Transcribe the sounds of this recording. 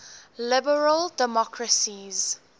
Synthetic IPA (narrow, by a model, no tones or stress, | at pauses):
lɪbəɹəldɛmɔkʰɹəsiz